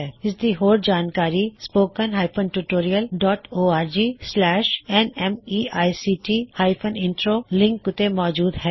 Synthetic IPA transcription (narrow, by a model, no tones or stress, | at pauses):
ɛɪsd̪iɦoːɾd͡ʒaːnkaːɾispoːkənɦaːɪpʰənʈuʈoːɾiəlɖɔːʈoːaːɾd͡ʒiːslɛːʃɛnɛmiːaːjsiːʈiːhaːɪpʰə̃nɪ̃ɳʈɾolɪ̃ŋkʊt̪emɔːd͡ʒuːd̪ɦɛː